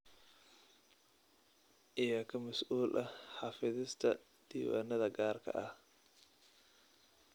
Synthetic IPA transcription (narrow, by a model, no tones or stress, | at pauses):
ʔɪjɐkʰɐmɐsʔuːlʔɐħɑfɪðɪst̪ʰɐ | d̪̥iwa̰nɐðɐɡaːrkʰɐ̰ʔɐh